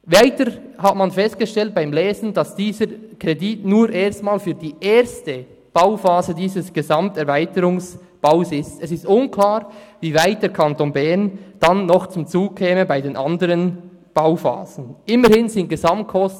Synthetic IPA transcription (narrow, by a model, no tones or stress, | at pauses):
vaɪtəɾhatmɑnfɛst̚ɡ̥əʃtɛlt̚b̥aɪmlɛːzn̩d̥ɑsd̥iːzəɾkʁeditnuːɾʔeːɐstmaːlfyːdiːʔeːɾstə | b̥aʊfaːzədiːzəsɡ̥ezɑmtɛʁvaɪtəɾʊŋs | b̥aʊsɪstɛsɪstʊnkʰlaːʁvivaɪt̚d̥eːɐɾkʰɑntoːnbɛʁnd̥ɑnːɔχt͡sʊmt͡suːkʰɛːməbaɪdeːnʔɑndəʁən | b̥aʊfa̰ːzn̩ʔɪməɾhɪnzɪnt̚ɡ̥ezɑmt̚kʰɔst